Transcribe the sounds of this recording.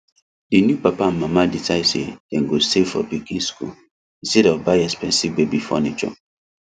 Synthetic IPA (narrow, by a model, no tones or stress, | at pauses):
dinjupapamamaditaisḛdɛŋɡosefɔ̰pikĩnsku | ĩstɛdɔvbajɛspɛ̃nsibebifɔ̰nit͡ʃɔ̰